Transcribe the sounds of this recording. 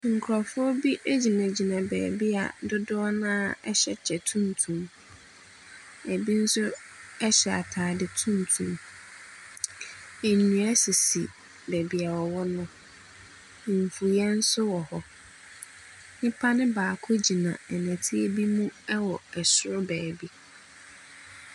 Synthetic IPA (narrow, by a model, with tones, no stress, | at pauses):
ŋ̩˨kʰɾɔ˨fʊ˦ɔ˦bi˦ʔe˦d͡ʑi˨mæ̃˨d͡ʑi˨nã˨bɛ̰ː˨bi˦a̰˨dʊ˦dʊ˦ɔ˦nãː˦˨ɛ̰˦ɕɛ˦t͡ɕʰɛ˨tʰũ˦n˨tʰũ˨m | æ˨bi˦n̩˦sʊ˦ | ɛ˦ɕɛ˨a̰˨tʰaː˨dɪ˨tʰũ˦n˨tʰṵ̃˨m | æ˨nũ˨æ˦si˨sḭ˨ | bæ˨bi˨a˨wɔ˨wɔ˦nʊ̃˦˨ | ɱ˨fu˨jɛ˦n̩˦sʊ˦wɔ˨hɔ˨ | ɲɪ̃˦pʰa˦nɪ̃˦baː˨kʰʊ˦d͡ʑi˨nã̰˨ɛ˨næ̃˨tʰi˦e˦bi˦mũ˦ɛ˦wɔ˨ɛ˨sʊ˦ɾʊ˦bɛː˨bi˦